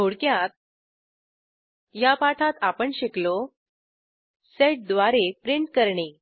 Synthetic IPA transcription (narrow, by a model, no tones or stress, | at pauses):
boɽkjat̪̚ | japaʈʰat̪apəɳɕeklo | seʈ̚d̪ʋaɾepɾiɳʈkəɾɳi